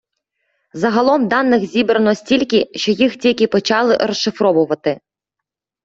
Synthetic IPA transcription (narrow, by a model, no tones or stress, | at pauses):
zɐɦɐlˠɔmd̪ɑnːɪxzʲibɾɐnɔsʲtʲilʲkɪʃt͡ʃɔjixtʲilʲkʲɪpɔt͡ʃɑlˠɪɾɔsʃɪfɾɔʋʊʋɐt̪ɪ